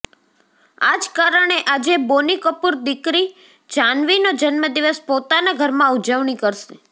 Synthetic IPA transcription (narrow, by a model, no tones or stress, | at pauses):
ad͡ʒkaɾəɳ̃eʔad͡ʒebonikəpuɾd̪ikɾi | d͡ʒanʋinod͡ʒənməd̪iʋəspot̪anaɡʱəɾmãud͡ʒəʋɳ̃ikəɾʃe